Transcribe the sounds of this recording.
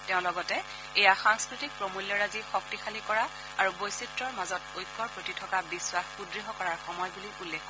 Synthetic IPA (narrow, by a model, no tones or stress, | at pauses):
tɛʊ̃lɔɡɔtɛ | ejaxaŋskɹitik̚pɹomuljɔɹazixɔk̚tixalikɔɹa | aɹubojsitɹɔɹmazɔtojkʰːɔɹpɹotitʰɔkabiswaxxudɹiɦɔkɔɹaɹxɔmɔjbuliulːexɔ